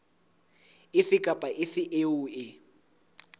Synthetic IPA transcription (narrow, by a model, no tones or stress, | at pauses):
ɪfɪkʼapʼaʔɪfɪʔeuɪ